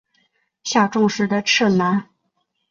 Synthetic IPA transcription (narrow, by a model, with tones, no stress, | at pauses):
ɕja˥˧ʈ͡ʂʊ˥˧ŋʂɻ̩˧˥˩d̪ə˧ʈ͡ʂʰɻ̩˥˩na˧˥n